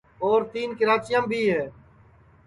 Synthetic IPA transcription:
oːɾt̪iːnkɪɾaːt͡ʃɪjãːmbʱiːɦɛː

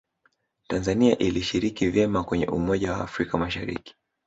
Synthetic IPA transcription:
tanzaniaʔiliʃiɾikivjɛmakwɛɲɛ̰ʔumɔʄawaːfɾikamaʃaɾḭki̥

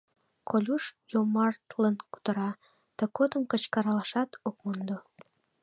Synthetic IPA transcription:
kʰolʲuʃjomɑrt̪lənku̥t̪ə̆ɾɑ | t̪ə̆kod̪ə̆mkə̆t͡ɕkɑɾɑlɑʃɑt̪okmund̪o

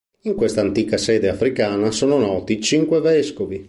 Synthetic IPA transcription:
iŋkwest̪aːnt̪iːkasɛːd̪eafɾikaːnasoːnonɔːt̪it͡ʃiŋkwevɛskovi

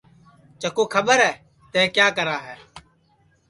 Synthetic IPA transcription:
t͡ʃəkoːkʰəɓəɾɦɛː | t̪ɛ̃ːkjaːkəɾaːɦɛː

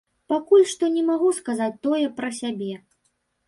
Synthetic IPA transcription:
pakulʲʂt̪ɔnʲɛmaɣuskazat͡sʲt̪ɔjɛpɾɐsʲabʲɛ

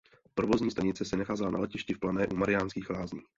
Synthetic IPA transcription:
pɾovozɲiːst̪aɲɪt͡sɛsɛnaxaːzɛlana̰lɛcɪʃcɪfplanɛːʔumaɾɪjaːnskiːxlaːzɲiː

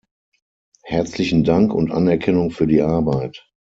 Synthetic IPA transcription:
hɛɐt͡slɪçn̩daŋkʊntʔa̰nɛɐkʰɛnʊŋfyːɐdiːʔaɐbaɪt

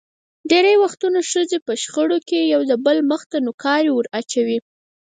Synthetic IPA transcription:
ɖeɾajwaxt̪unaʃəzepəʃxəɽokejawd̪əbəlməxt̪anokɑɾewəɾat͡ʃawi

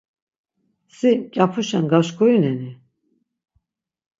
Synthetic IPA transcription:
sikʲʼapʰuʃɛnɡaʃkʰʼujinɛni

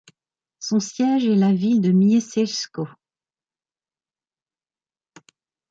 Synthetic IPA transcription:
sɔ̃sjɛʒɛlavild̪əmjesɛlsko

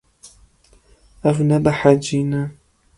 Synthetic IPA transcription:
avnabaħad͡ʒina

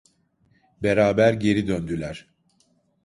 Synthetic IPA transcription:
beɾaːbæɾɟe̞ɾid̪ønd̪ylʲæɾ̥

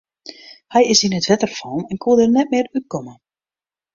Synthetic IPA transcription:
hɛjɪsinətʋɛtərfɔːnɛnkʰudərnɛt̚mɪːryt̚kɔmə

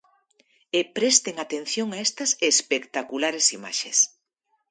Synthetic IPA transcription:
epɾɛst̪eŋat̪enθjoŋaest̪ɐsespekt̪akulaɾesima̰ʃes

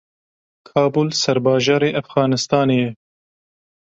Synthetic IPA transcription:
kʰɑːbulsɐɾbɑːʒɑːɾeːʔæfɣɑːnɨst̪ɑːneːjɛ

